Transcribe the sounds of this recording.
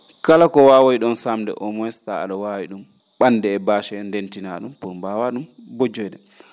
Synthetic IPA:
kalakɔwaːwojɗɔnsamdɛ̰ʔɔmɔɛstaa̰ɗɔwawiɗum | ɓanːdɛːbaːʃɛndentina̰ɗumpuɾmbawaɗumbod͡ʒɔjɗɛ

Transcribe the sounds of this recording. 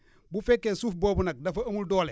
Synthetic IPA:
bufɛkːesuːfbɔːbunɐk̚dɐfɐɐmuldɔːlɛ

